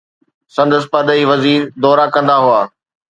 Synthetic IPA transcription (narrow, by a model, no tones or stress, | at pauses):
sɐ̃nd̪əs̬pɐd̪əiʋɐziːɾd̪ɔːɾakɐ̃nd̪aɦʊaː